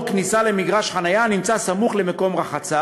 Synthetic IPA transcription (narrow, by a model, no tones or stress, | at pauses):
knisale̞miɡʁaʃχanajanimt͡sasamuχle̞meko̞mʁaχat͡sa